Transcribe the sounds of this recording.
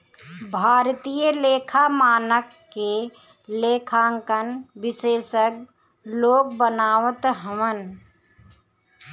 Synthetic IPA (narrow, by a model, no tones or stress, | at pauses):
bʱaːɾt̪ijəleːkʰamaːnəkːe | leːkʰãːŋkənbɪseːʃək̚ | loːk̚bənaːwət̪ɦəmən